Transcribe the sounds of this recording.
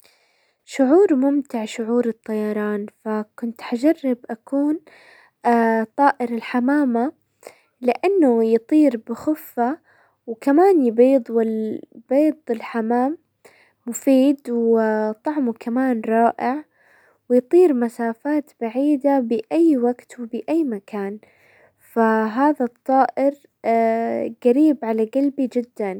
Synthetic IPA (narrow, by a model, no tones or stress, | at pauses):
ʃʊʕuːɾmʊmt̪ɪʕʃʊʕuːɾɨt̪ˤːɑjɑɾˤɑːnfakʊnt̪ħad͡ʒarˤːɪbʔakuːn | t̪ˤɑːʔɪɾɪlħamaːma | lɪʔanːʊjɨt̪ˤiːɾbɪxʊfːa | wkamaːnjɪbiːd̪ˤwɪb̥eːd̪ˤɪlħamaːmː | ʊfiːd̪wɪt̪ˤɑʕmukʰamaːnɾˤɑːʔɪʕ | wɪjt̪ˤiːɾmasaːfaːt̪baʕiːd̪abɪʔajːwaɡt̪wɪbɪʔajːmakʰaːn | faɦaːðat̪ˤːɑːʔɪɾ | ɡ̥aɾiːbʕalaɡalbid͡ʒɪd̪ːan